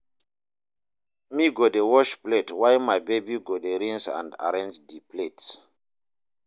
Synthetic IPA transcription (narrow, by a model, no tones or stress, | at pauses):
miɡodewɔʃpletwajmajbebiɡodeɾĩŋsã̰nda̰ɾẽnd͡ʒdiplets